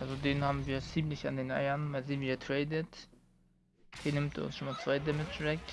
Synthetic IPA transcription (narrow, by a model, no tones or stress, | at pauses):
ʔalzodeːnhaːbm̩viːɐt͡siːmlɪçandeːnʔa̰ɪɐnmaːlziːnviːɐtʰʁ̥ɛɪdət | hiːnɪmtɛ̰ɐʊ̰nsʃoːmaːsv̥aɪdəmɪtt͡sʊvɛk